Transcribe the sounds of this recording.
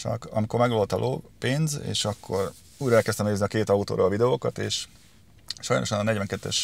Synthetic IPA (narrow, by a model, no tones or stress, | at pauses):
t͡ʃɒ̰kɒ̰miko̞rmɛɡlolt̪ɒlʔoːpeːnzḛːʃɒkʰːo̞r | uːɾɛːlkɛst̪ɛmneːzniɒkeːt̪ɒut̪o̰ːɾolɒvid̪ɛoːkɒt̪eːʃ | ʃɒjno̞̰ʃɒnɒnɛɟvɛŋkɛt̪ːɛ̰ʃ